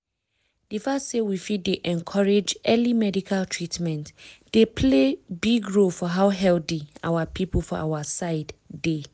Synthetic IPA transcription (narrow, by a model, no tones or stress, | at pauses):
d̥ifassewifiddeʔɛ̃nkʰɔɹed͡ʒɛlimɛdikʰaltʰɹitmɛ̃ntd̥epʰlebiɡɹolfɔɦaʊɦɛlθia̰wapipəlfɔʔa̰wasaɪdde